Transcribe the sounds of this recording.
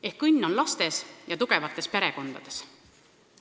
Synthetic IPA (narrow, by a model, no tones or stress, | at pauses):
ehkːɯnʲːo̞nlɑst̪e̞sjɑt̪uɡ̥e̞vɑt̪ːˑe̞spe̞ɾe̞ko̞nd̪̥ɑd̪̥e̞̥s